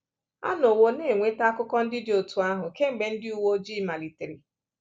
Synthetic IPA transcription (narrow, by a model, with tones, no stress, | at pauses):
a̰˦no˨wo˨ne˦˨ŋʷe˦ta˦kʊ˦kɔ˦n̩˦dɪ˦dɪ˨˦o˨tu˨a˦ɦʊ˨ke˦ŋ͡m̩˨ɡ͡be˨n̩˦dɪ˦u˦˨wo˦d͡ʒi˦ma˨li˨tɪ˨ɾi˨